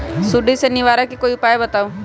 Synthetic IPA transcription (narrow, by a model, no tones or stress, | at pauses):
sʊɖisenɪʋaːɾakikoːiʊpaːjebɐt̪aːõ